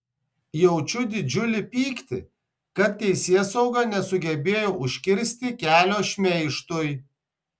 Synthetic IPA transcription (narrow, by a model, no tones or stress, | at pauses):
jɛʊt͡ʃʲʊd̪ʲɪd͡ʒʲʊlʲɪpʲiːkt̪ʲɪ | kɐt̪̚ʲt̪ːʲɛɪsʲiɛsɐʊɡɐnʲɛsʊɡʲɛbʲeːjoːʊʃʲkʲɪɾʲsʲt̪ʲɪkʲæːlʲoːʃʲmʲɛɪʃt̪ʊj